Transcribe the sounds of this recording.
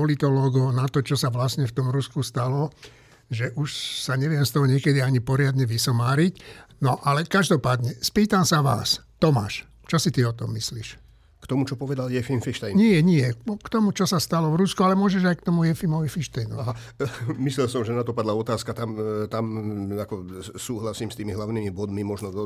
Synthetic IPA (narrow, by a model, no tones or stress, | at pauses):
ɔlit̪ɔlɔːɡɔʊnat̪ɔt͡ʃɔsaʋlasɲɛft̪ɔmɾuskust̪alɔ | ʒɛʔuʃsaɲɛʋɪɛmst̪ɔɦɔɲɪɛkɛd̪iaɲipɔɾɪad̪ɲɛʋisɔmaːɾicnɔʔalɛkaʒd̪ɔpaːd̪ɲɛspiːt̪amsaʋa̰ːst̪ɔma̰ːʃ | t͡ʃɔsit̪iɔt̪ɔmːisliʃ | kt̪ɔmut͡ʃɔpɔʋɛd̪aljɛfimfiʃt̪ɛjɲɪɛɲɪɛkt̪ɔmut͡ʃɔsast̪alɔvɾuskualɛmʊɔʒɛʒajkt̪ɔmujɛfimɔʋifiʃt̪ɛjnɔ̰aɦa | mislɛlsɔmʒɛnat̪ɔpad̪laɔt̪aːskat̪amt̪amakɔsuːɦlasiːmst̪iːmiɦlaʊnimibɔd̪mimɔʒnɔ